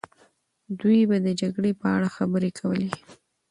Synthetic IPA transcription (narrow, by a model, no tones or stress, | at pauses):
d̪ujbad̪əd͡ʒaɡɽepəa̰ɽaxabəɾekʰawəle